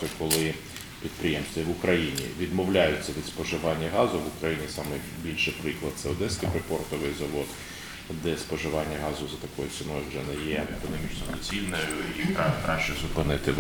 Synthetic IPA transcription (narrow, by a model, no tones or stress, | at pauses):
ʊkɔlˠɪ | pʲid̪̚pɾɪjɛmst̪ʲʋʲiʋʊkɾɐjinʲḭʋʲid̪mɔwlʲajʊt͡sʲːɐʋʲid̪spɔʒɪʋɑnʲːɐɦɑzʊʋʊkɾɐjinʲisɑmɪbʲilʲʃɪpɾɪklˠɐd̪t̪sɛʊd̪ɛskʲipɾɪpɔrt̪ɔʋɪjzɐʋɔd̪ | d̪ɛspɔʒɪʋɑnʲːɐɦɑzʊzɐt̪ɐkɔjʊsʲɪnɔʒd͡ʒɐnɪjjɛekɔnɔmʲit͡ʃnɔd̪ɔt͡sʲilʲnɐjʊikɾɑkɾɑʃt͡ʃɛzʊpɪnɪt̪ɪ